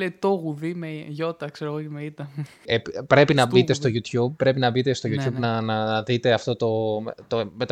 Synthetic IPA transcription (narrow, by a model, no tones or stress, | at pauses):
leit̪oɣuðimeʝo̞t̪ɐkseɾoɣotemeit̪ɐ | eppɾe̞pinɐbit̪e̞st̪o̞ʝut̪çub̚pːɾe̞pinɐbit̪est̪o̞jut̪çubnɐnɐðit̪e̞ɐft̪o̞t̪o̞mt̪omet̪